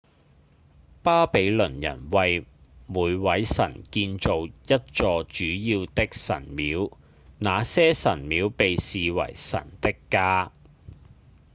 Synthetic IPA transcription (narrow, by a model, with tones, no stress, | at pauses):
paː˥pe˨˧jlɵ˨˩njɐ̰˨˩nwɐ˨jmuː˨˧jwɐ˨˥jsɐ̰˨˩nkiː˧nt͡so˨wjɐ˥t̚t͡ʃɔː˨˧t͡ʃyː˨˥jiː˧wt̪ɪ˥k̚sɐ̰˨˩nmiː˨˥w | naː˨˧sɛː˥sɐ˨˩nmiː˨˥wpe˨jsiː˨wɐ̰˨˩jsɐ̰˨˩nt̪ɪ˥kːaː˥